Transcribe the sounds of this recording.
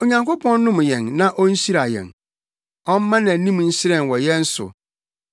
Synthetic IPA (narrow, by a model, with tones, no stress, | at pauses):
o˨ɲã˨ŋko˦pʰɔ̃˦nː˦ʊ̃˦m˨jɛ̃˨nːã˦ʔɔ˦n̩˦si˦ɾa˨jɛ̰̃˨n | ɔ˦m˦mã˦nã˨˦nĩ˦m˨n̩˦ɕɪ˦ɾɛ̃˨n˨wɔ˨jɛ̃˦n̩˦sʊ̰˨